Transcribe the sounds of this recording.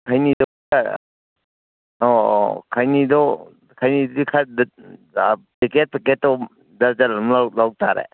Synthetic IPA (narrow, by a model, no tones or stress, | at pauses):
kʰajnidɔika | ɔ̰kʰajnidɔ | kʰajnidɔdikʰad | peket̚peket̚ːɔ | daɾd͡ʒalamlalawtaɾḛ